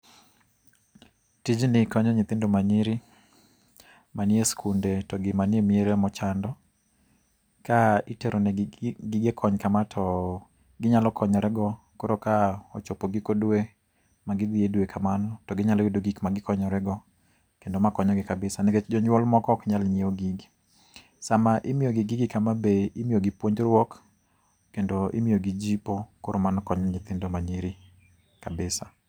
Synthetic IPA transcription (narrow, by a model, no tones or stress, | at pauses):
tid͡ʒnɪkɔɲɔɲɪt̪ɪndomaɲɪɾɪ | manjeskʰundetɔɡɪmanɪemieɾemɔt͡ʃandɔ | kaiteɾʔonɛɡɪɡɛkʰɔɲkamatʰɔ | ɡɪɲalɔkʰɔɲɔɾɛɡɔ | koɾokaɔt͡ʃopoɡɪkodwe | maɡɪd̪ɪedwekʰamanɔtɔɡɪɲalɔidoɡikmaɡɪkɔɲɔɾɛɡɔ | kendomakɔɲɔɡɪkabɪsaneket͡ʃd͡ʒɔɲwɔlmɔkɔkɲalɲioɡiɡ | samaʔɪmijoɡɪɡiɡɪkamabeimioɡɪpwoɲd͡ʒɾwɔkː | endoʔḭmijoɡid͡ʒipokoɾomanɔkɔɲɲɪt̪ɪndomaɲiɾi | kabɪsa